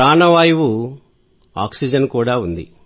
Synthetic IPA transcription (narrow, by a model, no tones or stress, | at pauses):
aːnɐʋaːjiʋu | a̰ːksid͡ʒɐnkuːɽaːund̪ḭ